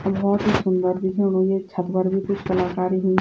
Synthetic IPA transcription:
ɐbbɔːt̪ɦisʊnd̪əɾd̪ʱikʰɛ̃ʊnɦõjet͡ʃʰət̪bəɾbʱikʊt͡ʃʰkɐlaːkaːɾiɦũː

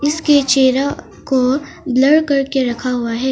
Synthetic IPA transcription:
ɪsket͡ʃeːɾa | ko | blɐɽkɐɾkeɾɐkʰaɦʊaɦɛː

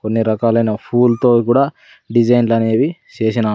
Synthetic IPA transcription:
konːiɾɐkaːlɐjnɐpʰuːlt̪oːkuːɽaː | ɖid͡ʒɐjnlɐneːʋit͡ʃe̞ːʃinɐ

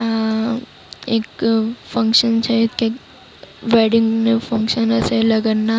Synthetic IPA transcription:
a | eːkfɐ̃ŋkʃənt͡ʃʰɛke | ʋeːɖɪ̃ŋɡnefɐ̃ŋkʃənɛselɐɡənnːa

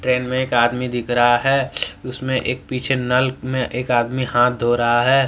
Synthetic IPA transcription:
ʈɾeːnmẽeːkaːd̪mid̪ɪkʰɾəɦaɦɛːʊsmẽʔeːk̚piːt͡ʃʰenɐlkmẽʔeːkaːd̪mihãːt̪̚ʰd̪ʱoːɾaɦaɦɛː

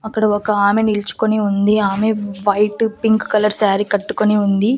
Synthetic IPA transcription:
ɐkːɐɽɐɔkɐaːmenilut͡ʃu̥koniund̪iaːmeʋɐjʈpiŋkkɐlɐɾsaːɾikɐʈːu̥koniund̪i

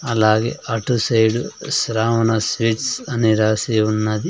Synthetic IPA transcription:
ɐlaːɡḛːʔɐʈusɐjɖusɾaːmɐnɐsʋiʈsɐniɾaːseunːɐd̪i

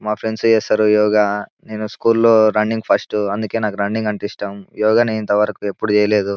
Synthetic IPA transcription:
maːpʰɾeɳɖst͡ʃɛːsaːɾujɔːɡaːne̞ːnuskuːllo̞ːɾɐnːiŋɡpʰɐsʈuɐnd̪uke̞ːnaːkuɾɐɳːiŋɡɐɳʈisʈaːmjɔːɡaːneːnint̪ɐʋɐɾɐkue̞pːuɽut͡ʃɛːjɐle̞ːd̪u

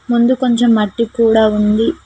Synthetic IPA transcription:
mund̪uko̞ɲt͡ʃe̞mːɐʈːikuːɽaːund̪i

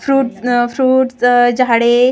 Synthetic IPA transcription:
fɾuːʈfɾuːʈd͡ʑaɽe

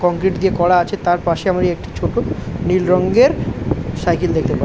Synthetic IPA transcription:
kɔŋkɾiʈd̪iekɔɽaat͡ɕʰet̪aɾpaʃeamɾiek̚ʈi̥t͡ɕʰoʈonilɾɔŋɡeɾsajkild̪ek̚ʰt̪epaɾ

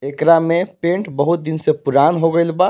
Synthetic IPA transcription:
ekɾamepẽɳʈbəɦut̪̚d̪insepuɾanɦoɡəɪlba

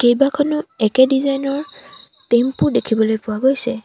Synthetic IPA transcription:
kejbakʰɔnʊɛkɛdizajnɔɹ | tempuɹdekʰibɔlojpʊwaɡojsɛ

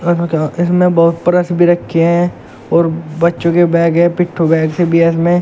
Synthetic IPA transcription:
ɐokaɪsmẽbɐɦʊt̪̚pɐɾəsbʱiɾɐkʰːeɦɛ̃ | ɔːɾbɐtːʃõkebɛ̃ːɡɦɛ̃pɪʈʰːobɛ̃ːɡsebʱiɛsmẽ

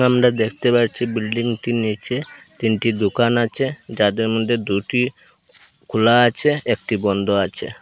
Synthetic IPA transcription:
amɾad̪ekʰt̪epaɾt͡ɕʰibilɖiŋʈinit͡ʃʰet̪inʈid̪ukanat͡ɕʰed͡ʑad̪eɾmod̪ʱːed̪uʈi | kʰulaat͡ɕʰeek̚ʈibɔnd̪ʱoat͡ɕʰḛ

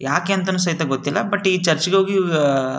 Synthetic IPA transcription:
jaːkeːɐnt̪ɐnːuːs̬ɐɦit̪ɐɡot̪ːilːɐbɐʈːit͡ʃɐɾt͡ʃiɡeɦoːɡi

